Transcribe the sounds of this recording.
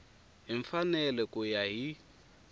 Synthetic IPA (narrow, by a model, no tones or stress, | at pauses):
ɦiɱfanɛlɛkʼujaɦi